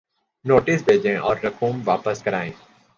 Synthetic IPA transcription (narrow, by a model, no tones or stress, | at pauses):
noːʈɪsbʱeːd͡ʒẽʔɔːɾːɐkuːmʋaːpəskɐɾaːẽː